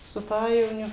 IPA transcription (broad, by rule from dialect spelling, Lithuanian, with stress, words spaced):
sʊ ˈpɑːjɛʋoːnʲʊ